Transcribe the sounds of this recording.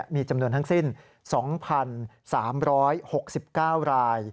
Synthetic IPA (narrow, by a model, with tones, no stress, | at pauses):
miː˧t͡ɕa˧mnu˧ənt̪ʰa˥ŋsi˥˩n | sɔː˩˦ŋpʰa˧n | saː˩˦mɾɔː˦˥jho˨˩k̚si˨˩p̚kaː˥˩wɾaː˧j